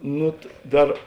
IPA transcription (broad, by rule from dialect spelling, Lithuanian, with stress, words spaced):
ˈnʊ ˈdɐr